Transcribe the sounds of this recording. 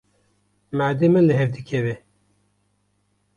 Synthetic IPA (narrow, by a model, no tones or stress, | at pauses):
mæd̪emɨlɨɦɛvd̪ɨkʰɛve